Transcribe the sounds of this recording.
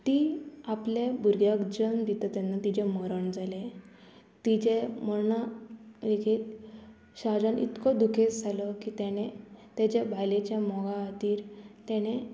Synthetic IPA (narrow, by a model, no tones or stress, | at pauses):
t̪iaplebuɾɡjakd͡ʑənd̪it̪ət̪ɛnːat̪id͡ʑeməɾəɳd͡zʱale | t̪id͡ʑem̤ənaʋekʰi | ɕad͡zanḭt̪kɔd̪ukʰet͡sd͡zʱaləkit̪ɛnet̪ed͡ʑebʱajlet͡ɕjamɔɡaːt̪iːɾt̪ɛñe